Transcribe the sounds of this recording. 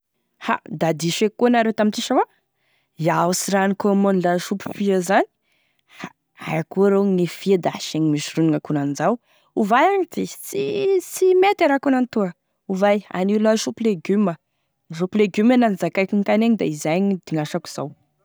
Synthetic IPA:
ha̰d̪ad̪iʃekunaɾewt̪amint͡siʃawa | iausiɾanikomonlaʃupu̥fiəzani̥ | ha | a̰jakuɾenifiad̪aʃeɲimiʃiruniŋakunand͡zaw | uvajaɲid̪et͡sit͡simet̪aɾakunant̪uə | uvaja̰niulaʃupileɡymə | ʃupileɡymananizakajkiŋkaneɲid̪aizajɲid̪̥iŋaʃaku̥z̥aw

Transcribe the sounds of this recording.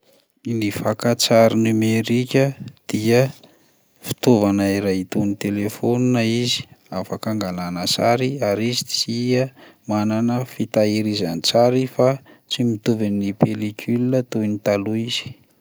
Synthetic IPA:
nifakat͡saɾinimeɾikʲəd̪̥iə | fi̥t̪ovanaiɾajt̪unit̪elefoninaizi̥afakaŋɡalanasaɾiaɾizit͡siəmananəfit̪aiɾizanit͡saɾifa | t͡simit̪uvinipelikʰʲylinət̪unit̪aluiz̥i̥

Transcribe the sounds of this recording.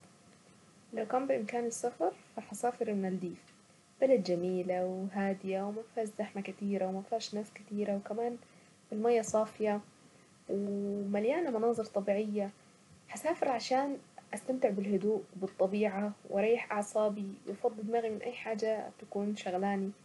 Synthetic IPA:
lawkaːmbɪʔɪmkaːnɪsːafɑɾˤfaħasaːfɪɾmɪnald̪iːf | b̥alad̪d͡ʒamiːlawɦaːd̪ɪjawmafaːʃzaħmakat̪iːɾawmafaːʃnaːskɪt̪iːɾawkamaːn | bɪlmaːjːasˤɑːfɪja | wɪmaljaːnamɑnɑːzˤɨɾt̪ˤɑbiːʕɪjːa | ħasaːfɪɾʕaʃaːnʔast̪amt̪ɪʕbɪlɦʊd̪uːʔwbɨt̪ˤːɑbiːʕawʔɑɾˤɑːjːħʔɑʕsˤɑːbiwʔfɑd̪ˤːɨd̪maɣimɪnʔa̰jːħaːd͡ʒat̪akuːnʃaɣlaːni

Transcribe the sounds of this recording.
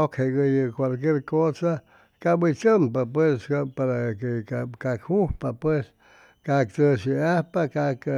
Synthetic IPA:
okheɡəjɨkʷwalk̬jeɾkosa | kabit͡ʃəmpapweskapaɾakekakakhuhpapwes | kakt͡səsiahpakak

